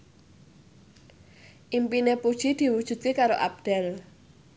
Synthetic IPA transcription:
ʔimpinepud̥ʒ̥id̪̥i̤wud̥ʒ̥ṳt̪ikaɾoʔap̚d̪̥ɛl

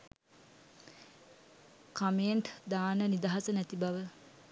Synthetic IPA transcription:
kameːɳʈd̪aːnənid̪aɦasənæt̪ibaʋə

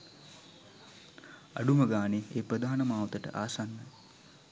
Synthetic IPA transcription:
a̰ɖuməɡaːnieːprəd̪ʱaːnəmaːwt̪əʈə̰ʔa̰ːsanːə

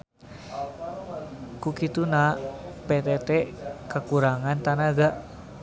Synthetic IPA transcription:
kukit̪unahpet̪ɛt̪ɛkakuɾaŋant̪anaɡaʔ

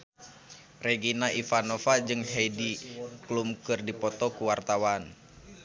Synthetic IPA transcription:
rɛɡinaʔifanɔfad͡ʒɨŋɦejdiklumkɨrdipɔt̪ɔkuwart̪awan

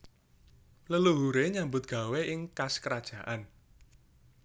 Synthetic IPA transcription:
ləluɦuɾeɲambʊt̪̚ɡ̥a̤weʔɪŋkaskəɾad̥ʒ̥a̤ʔan

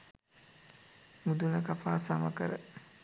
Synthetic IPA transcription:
mud̪unəkafaːsamɐkə̰ɾə

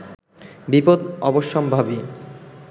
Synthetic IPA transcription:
bipod̪ɔboʃːɔmbʱabi

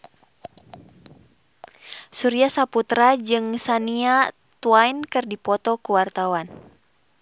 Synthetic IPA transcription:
suɾiasaput̪ɾad͡ʒɨŋsania | t̪uajnkɨrdipɔt̪ɔkuwart̪awan

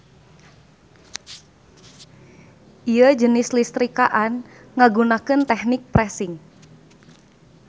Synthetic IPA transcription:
ʔijəd͡ʒənɪslist̪ɾikaʔan | ŋaɡunakənt̪ɛhnɪk̚pɾɛsɪŋ

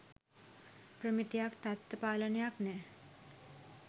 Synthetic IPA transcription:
pɾəmit̪ijaːkt̪ɐt̪ːəpaːlɐnjaːkne

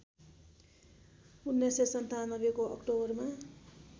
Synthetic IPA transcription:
unːesesʌnt̪anʌbekoʌ̰kʈobʌrma

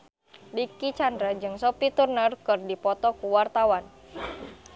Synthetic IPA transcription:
dikit͡ʃandɾad͡ʒɨŋsopit̪urnərkɨrdipɔt̪ɔkuwart̪awan

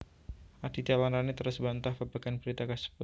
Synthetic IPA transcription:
ʔad̥id͡ʒalanranit̪əɾʊsbant̪ahbəbaɡ̥anbəɾit̪akəsə̥bʊt̪̚

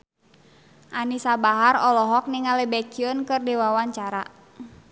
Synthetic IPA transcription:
ʔanisabaɦaɾɔlɔɦɔk̚niŋalɛbɛkiɔnkɨrdɛwawaɲt͡ʃaɾa̰

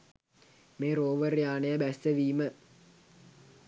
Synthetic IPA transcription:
meːɾoːʋərjaːnəjəbæsːəʋiːmə

